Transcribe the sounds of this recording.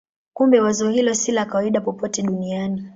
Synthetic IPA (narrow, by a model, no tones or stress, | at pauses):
kumbɛwazɔɛɦilɔsilakawaiɗapɔpɔtɛɗuniani